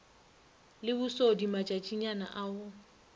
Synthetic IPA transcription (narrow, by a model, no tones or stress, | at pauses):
lɪbʊsodimat͡ʃʼat͡ʃʼiɲana̰ʔaːʊ